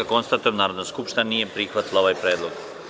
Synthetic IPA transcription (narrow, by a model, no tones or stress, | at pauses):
ako̞nst̪at̪ojnaːɾod̪naskupʃt̪inanije̞pɾixʋat̪ilˠaoʋajpɾeːd̪lˠoɡ̥